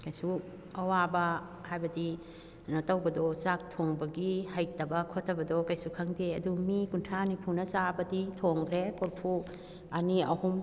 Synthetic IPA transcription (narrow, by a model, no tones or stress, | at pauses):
kajsu | ɐwabɐ | hajbɐdi | nɐtɐwbɐdɔzak̚tʰoŋbɐɡihɐjtɐbɐkʰotʰːɐbɐdɔkajsukʰɐŋdeɐdumikuntʰanipʰunɐzabɐditʰoŋkʰɾekoɾpʰu | ɐniɐhum